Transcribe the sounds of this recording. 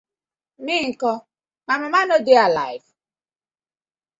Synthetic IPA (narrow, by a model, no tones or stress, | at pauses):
mɪŋ̩kɔ | mamamanodealajv